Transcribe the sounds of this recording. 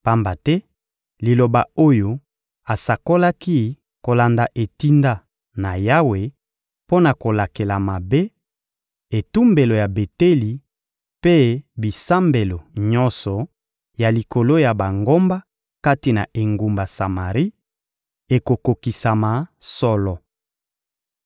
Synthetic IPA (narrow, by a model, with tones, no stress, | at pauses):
pa˦mba˨tɛ˦ | li˨lo˨ba˨o˦jo˨ | a˨sa˨ko˦la˦ki˦ | ko˨la˨nda˨ʔe˨ti˦nda˦ | na˨ja˦we˨ | po˦na˨ko˨la˨ke˨la˨ma˨be˦ | e˨tu˦mbe˨lo˨ja˨be˨te˦li˨ | pe˦bi˨sa˦mbe˨lo˨ɲɔ˦nsɔ˨ | ja˨li˨ko˨lo˦ja˨ba˨ŋɡo˦mba˦ | ka˦ti˨na̰˨ʔe˨ŋɡu˨mba˨sa˨ma˨ʁi˦ | e˨ko˨ko˨ki˨sa˨ma˨sɔ˦lɔ˨